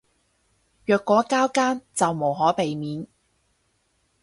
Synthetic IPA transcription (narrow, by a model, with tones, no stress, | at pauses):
jœː˨kːɔː˨˥kaː˥wkaː˥nt͡sɐ˨wmo˨˩wɦɔː˨˥pe˨jmiː˨˥n